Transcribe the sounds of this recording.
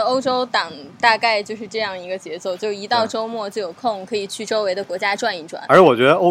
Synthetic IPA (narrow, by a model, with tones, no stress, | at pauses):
o˥ʊʈ͡ʂo˥ʊt̪ɑ˨˩ŋt̪a˥˧ka˥˧ɪt͡ɕjo˥˧ʊʂɻ̩˥˧ʈ͡ʂɤ˥˧jɑ˥˩ŋi˧˥ɡə˧t͡ɕjɛ˧˥t͡swɔ˥˩t͡ɕjo˥˩ʊi˧˥t̪ɑ˥˩ʊʈ͡ʂo˥ʊmwɔ˥˧t͡ɕo˥˩jo˨˩ʊkʰʊ˥˩ŋkʰɤ˧˥i˨˩t͡ɕʰy˥˩ʈ͡ʂo˥ʊwe˧˥ɪd̪ə˧kwɔ˧˥t͡ɕja˥ʈ͡ʂwa˥˧ni˥˩ʈ͡ʂwa̰˨˩˦nə˞˧˥wɔ˨˩t͡ɕɥɛ˧˥ə˧o˥